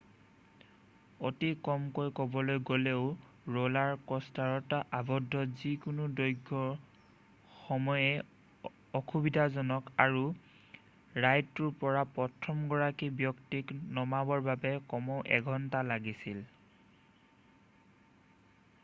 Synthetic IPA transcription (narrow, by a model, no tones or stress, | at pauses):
otikɔmkojkɔbɔlojɡoleʊ | ɹolaɹkɔstaɹɔtaʔabɔdʱːɔzikʊnudɔjɡʱːɔɹ | xɔmɔjɛ | ɔxubidʱazɔnɔkaɹu | ɹajtːuɹpɔɹapɔtʰɔmɡɔɹakibjɔktiknɔmabɔɹbabɛkɔmɔʔɛ̰ɡʱɔntalaɡisil